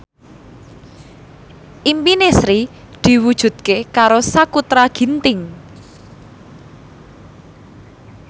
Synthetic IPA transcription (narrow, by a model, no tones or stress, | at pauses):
ʔimpinesɾi | d̪̥i̤wud̥ʒ̥ṳd̪̚kekaɾosakut̪ɾaɡ̥i̤nt̪ɪŋ